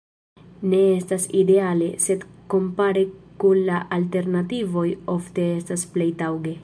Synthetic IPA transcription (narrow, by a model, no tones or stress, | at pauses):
ne̞estaside̞ale̞se̞d̪ko̞mpaɾekunlaʔalte̞ɾnativo̞jo̞fte̞estasple̞jtawɡe̞